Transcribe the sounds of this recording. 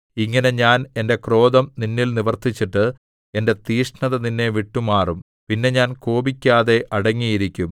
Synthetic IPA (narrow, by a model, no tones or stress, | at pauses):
iŋːɐne̞ɲaːne̞nde̞kro̞ːd̪ɐmninːilniʋɐrt̪it͡ɕːiʈːɨ | e̞nde̞t̪iːʂɳɐðɐninːe̞ʋiʈːumaːrum | pinːe̞ɲaːnkoːbikʲːaːðe̞ʔɐɽɐŋːijiɾikʲːum